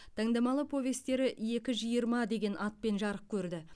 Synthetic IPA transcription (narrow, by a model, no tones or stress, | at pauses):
t̪ʰɑŋd̪ɑmɑlˠəpʰo̞vʲe̞st̪e̞ɾɪʔje̞kʲɪʒijəɾmɑd̪e̞ɡʲe̞nʔɑt̪̚pe̞nʒɑɾəp̚kʲʰɵɾd̪ɪ